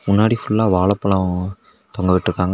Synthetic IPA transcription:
mʊnːaːɽifʊɭːaːʋaːɭɐpːɐɭɐ̃ | t̪ɔŋɡɐʋɪʈːɪɾɯkːaːŋɡɐ

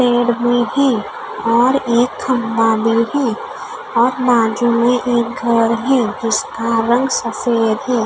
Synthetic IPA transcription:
teːɽmẽhɛ̃ː | ɔːɾeːkhə̃mbaːd̪iɦɛ̃ː | ɔːɾbaːd͡ʒumẽʔeːk̚ɡʱəɾɦɛ̃ːd͡ʒɪskaɾə̃ŋɡsəfeːd̪ɦɛː

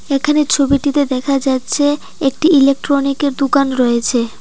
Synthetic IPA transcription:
ekʰanet͡ɕʰobiʈit̪ed̪ɛkʰad͡ʑatːɕʰe | ek̚ʈiilek̚ʈɾonikeɾd̪ukanɾɔet͡ɕʰe

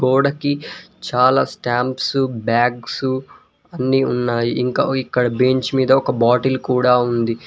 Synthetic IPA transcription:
ɡɔːɽɐkit͡ʃaːlaːsʈaːmpsubaːɡsu | ɐnːiunːaːjiʔiŋkaːikːɐɽɐbeːɲt͡ʃmiːd̪ɐɔkɐbaːʈɐlkuːɽaːund̪i

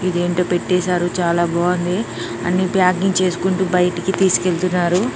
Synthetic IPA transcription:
id̪e̞ːɳʈo̞ːpe̞ʈːɛːsaːɾut͡ʃaːlaːbʱɔːɐnd̪i | ɐ̰nːipjaːɡiŋɡt͡ʃe̞ːsu̥kuɳʈuːbɐjʈikit̪iːsu̥ke̞ɭt̪unːaːɾu

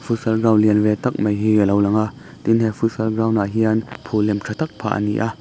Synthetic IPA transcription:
fusɐlɡaːwliənvɛt̪ɐk̚mɐjɦilowlɐŋa | t̪inɦɛfusɐlɡaːwnaɦiənpʰulɛmtʰat̪ɐk̚pʰa̰ːʔə̰nḭʔa

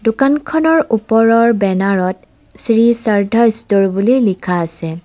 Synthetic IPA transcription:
dʊkankʰɔnɔɹupɔɹɔɹbɛnaɹɔt | sɹisaɹdʱɔjstoɹbulilikʰaːsɛ

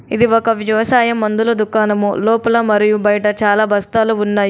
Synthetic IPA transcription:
id̪iɔkɐʋɐʋɐsaːjɐmːɐnd̪ulɐd̪ukaːnɐmulo̞ːpulɐmɐɾijubɐjɐʈɐt͡ʃaːlaːbʱɐst̪aːluunːaːj

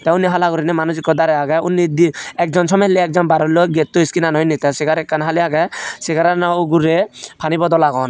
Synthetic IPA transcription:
t̪ɛwniɦalaɡɔɾinɛmanud͡ʒikːɔd̪aɾɛaɡaunːid̪iɛk̚d͡ʒɔnsɔmɛleɛk̚d͡ʒɔnbaɾɔlɔɡet̪ːuiskinanɔjnit̪ɛseɡaɾɛkːanɦaliaɡaseɡaɾanɔuɡuɾepʰanibɔd̪ɔlaɡɔn

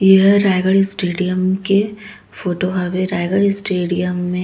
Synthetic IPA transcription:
jeɦɾaːjɡəɭsʈeːɖijəmke | foːʈoɦɐʋeɾaːjɡəɭɪsʈeːɖijəmːẽ

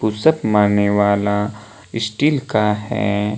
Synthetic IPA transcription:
pusəpmaːɾneʋaːla | ɪsʈiːlkaɦɛ̰ː

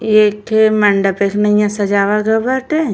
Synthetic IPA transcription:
ekemɐɳɖəpekʰnɐijãsɐd͡ʒaːʋaɡəbəɾʈe

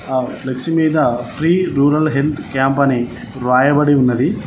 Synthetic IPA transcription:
alɐkʂimiːd̪ɐpʰɾiːɾuːɾɐlɦelt̪ʰkaːmpɐni | ɾʋaːjɐbɐɽiunːɐd̪i

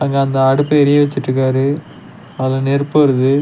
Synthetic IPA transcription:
aːŋɡɐɐnd̪ɐɐɽɯpːɐɛɾɪjɐʋɐt͡ʃːɪʈːrɯkːaːɾɯ | ɐlɐnɛɾpːɯɐɾɯðɯ

